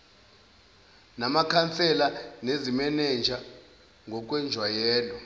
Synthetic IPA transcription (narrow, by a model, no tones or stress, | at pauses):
namakʰant͡sʰʼɛlanezimɛnɛnd͡ʒʱa | ŋɡʱɔk̬ʼwɛnd͡ʒʱwajɛːlɔ